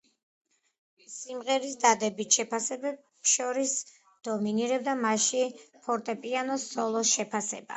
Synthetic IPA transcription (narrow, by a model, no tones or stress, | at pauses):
simʁɛɾisd̪ad̪ɛbit̪ʃɛpʰasɛbɛb | ʃɔɾis | d̪̥ɔminiɾɛb̚d̪amaʃipʰɔɾt̪ʼɛpʼianɔsɔlˠɔʃɛpʰasɛba̰